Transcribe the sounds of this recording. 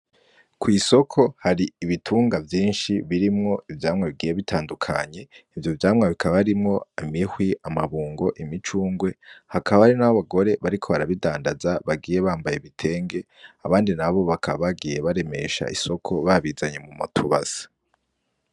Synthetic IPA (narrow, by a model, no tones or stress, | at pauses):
kwiːso̞kʰo̞haɾiːβitʰuːŋɡavjiːnʃiβiɾimŋo̞ivjaːmŋeβiɡiːje̞βitʰaːndukʰaɲe̞ivjovjaːmŋaβikʰaββɾimŋo̞imihwiamaβuːŋɡo̞ʔimit͡ʃuːŋɡwe̞hakaβaaɾinaβoβaɡo̞ɾe̞βaɾikʰo̞βaɾaβidaːndazaβaɡiːje̞βaːmbajeβitʰe̞ːŋɡe̞ | aβaːndinaβo̞βakʰaβaβaɡije̞βaɾe̞me̞ʃa̰ʔiso̞kʰo̞βaβizaɲe̞mumṵtʰuβa̰z̥ḁ